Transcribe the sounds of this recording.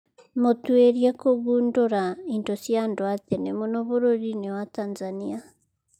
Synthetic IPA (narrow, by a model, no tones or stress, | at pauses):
motweɾjekoɡuːndoɾaintosjandwatenemonoβoɾoɾinewatanzania